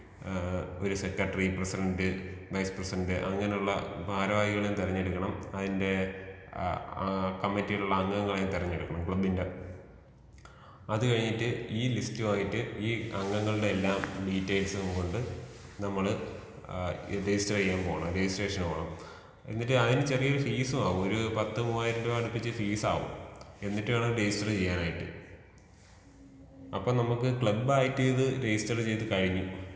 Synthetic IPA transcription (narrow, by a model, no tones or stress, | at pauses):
o̞ɾuse̞kːɐʈːɐripresidɐndɨʋɐjsprɐsiɾɐndɨʔɐŋːɐne̞juɭːɐ̰bʱaːɾɐʋaːjiɣɐɭeumt̪irɐɲːeɽukːɐɳɐmɐðinde̞ | kɐmːitːijiɭuɭːɐɐŋːɐŋːɐɭejumt̪irɐɲːeɽukːɐɳɐmkɭɐbinde | ɐðɨkɐɻiɲːitːɨiːlistɨmaːjitːɨiːɐŋːɐŋːɐɭɨɽe̞elːaːmɖiːtːejlsɨumko̞ɳɖɨnɐmːɐɭɨ | ɾed͡ʑistːɐrt͡ɕejːaːmpo̞ːɣɐɳɐmɾe̞d͡ʑistre̞ːʂɐnoːɐɳɐm | ḛnːitːɨɐðinɨt͡ɕerijɐoɾufiːsumaːʋumoɾupɐt̪ːɨmuːaːjiɾɐndeɐɽupːit͡ɕːɨfiːsa̰ːʋṵme̞nːitːɨmaːɳoɾed͡ʑistɐrt͡ɕe̞jːaːnaːjiʈːɨ̰ | ɐpːoːnɐmukːɨkɭɐbːaːjitːɨɐðɨɾed͡ʑistɐrt͡ɕe̞jt̪̬ɨkɐɻiɲːu